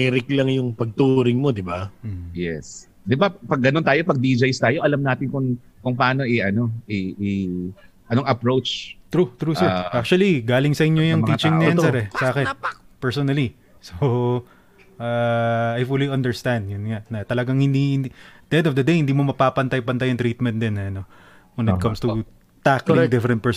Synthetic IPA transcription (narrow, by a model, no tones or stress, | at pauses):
ɛɾɪklɐŋjʊŋpɐɡ̚t̪uɾɪŋmo̞d̪ɪbam̩ːjɛ̰s | d̪ɪbapɐɡːɐnont̪aːjo̞pɐɡ̚d̪iːd͡ʒɐjst̪aːjoʔɐlɐmnaːt̪ɪnkʊŋ | kʊŋpɐaːno̞ʔɪʔɐno̞ʔɛi | ʔɐnoŋɐpɾowt͡ʃt̪ɾut̪ɾuːsɛɹʔak̚t͡ʃuɐliɡaːlɪŋsɐʔɪɲjojʊŋmiːt͡ʃɪ̃ŋnɐnsɛɾɛsaːkɛnpɛɹsonɐli | so | ʔaajfuliʔɐ̃nd̪ɛɹst̪and̪̚jʊnŋaʔnɐt̪ɐlɐɡaŋhɪnd̪ind̪ɛ̃nd̪ofd̪ɐd̪ejhɪnd̪iːmo̞mɐpaːpɐnt̪ɐjpɐnt̪ajɐŋt̪ɾiːt̪̚mɛ̃n̚d̪ɛnːɐɐno̞ | wɛ̃nɪt̪kɐ̃mst̪u | t̪aklɪd̪ɪfɾɛnt̪pɛs